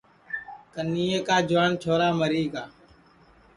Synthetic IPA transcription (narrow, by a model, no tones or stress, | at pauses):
kəniːeːkaːd͡ʒʊʋaːnt͡ʃʰoːɾaːməɾiːkaː